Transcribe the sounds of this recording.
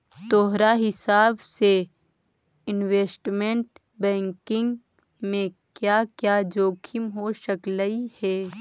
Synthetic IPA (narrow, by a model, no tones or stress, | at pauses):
t̪oːɦɾaɦɪsaːbse | ɪnweːsʈmẽɳʈ | bɛ̃ːŋkɪ̃ŋɡ | mẽ | kjaːkjaːd͡ʒoːkʰɪmɦoːʃəkləihɛː